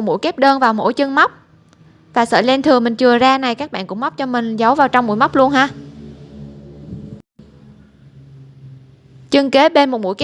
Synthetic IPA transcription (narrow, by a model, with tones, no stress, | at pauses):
t̚mṵ˧˥jke˦˥p̚ɗəː˧nvaː˨˩wmo̰˧˥jt͡ɕɨ˧ŋm˦˥wk͡p̚ | vaː˨˩sə̰ː˧˩lɛ˧nt̪ʰɨ˨˩əŋmï˨˩ŋ̟t͡ɕɨ˨˩əzaː˧na˨˩jkaː˦˥k̚ɓa̰ː˧˨nkʊ̰˧˥ŋ͡mm˦˥k͡p̚t͡ɕɔ˧mï˨˩ŋ̟zə˨˦wvaː˨˩wt͡ɕɔ˧wŋ͡mmṵ˧˥jma˦˥k͡p̚lu˧ənɦaː˧ | t͡ɕɨ˧ŋke˨˦ɓe˧nmo˨˩t̚mṵ˧˥˩jk